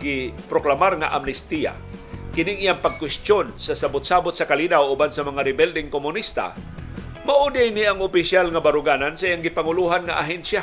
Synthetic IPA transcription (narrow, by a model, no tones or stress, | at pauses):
ɡɪpɾoklamaɾŋa̰ʔamnɪst̪ija̰ | kɪnɪŋʔijaŋpaɡ̚kwɪst̪jonsasabʊt̪̚saːbʊt̪sakaliːnawʊbansamɐŋaɾɪbɛld̪ɪŋkomʊnist̪a̰ | maʔud̪ajniaŋʊpɪsjalŋabaɾʊɡaːnansaʔijaŋɡɪpaŋʊluɦanŋa̰ʔaɦɛnsja